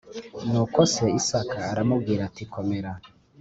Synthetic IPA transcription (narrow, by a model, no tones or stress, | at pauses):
nuːkoseisakaːɾamub̚ɡiːɾatikʰomeɾa